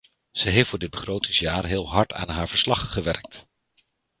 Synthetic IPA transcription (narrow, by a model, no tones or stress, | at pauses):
z̥ɛjɦejftfʊːɹdɪd̚bəχrowtɪŋsjaːɹɦɪːlˠɦɑɹta̰ːnɦaːɹv̥əɹslɑχːəʋɛrk̚t